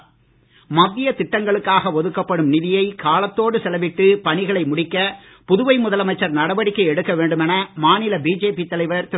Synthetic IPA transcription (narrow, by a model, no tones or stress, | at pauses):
mɐðːɪjɐt̪ɪʈːɐŋɡɐɭɯkːaːɣɐʋɔðɯkːɐpːɐɽɯmnɪðɪjɐɪkaːlɐt̪ːoːɽɯsɛlɐʋɪʈːɯpɐɳɪɣɐɭɐɪmʊɽɪkːɐ | pʊðʊʋɐɪmʊðɐlɐmɐɪt͡ʃːɐɾnɐɽɐʋɐɽɪkːɐɛɽɯkːɐʋeːɳɖɯmɛnɐmaːnɪlɐbiːd͡ʒeːpit̪ːɐlɐɪʋɐɾt̪